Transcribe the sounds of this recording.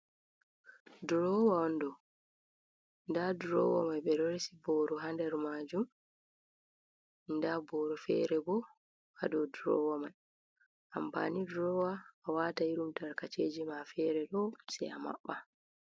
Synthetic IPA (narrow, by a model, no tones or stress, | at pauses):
dɾɔwaɔndɔ | ndadɾɔ̰wɔ̰majɓɛɾɔɾsibɔːɾɔɦandɛɾmaːd͡ʒum | indabɔɾɔfɛ̰ɾɛbɔ | a̰dɔdɾɔ̰wamaj | ʔamba̰nidɾɔwaːwataiɾumtaɾkat͡ʃeːd͡ʒimafɛɾɛɗɔsɛ̰ja̰ma̰ɓːa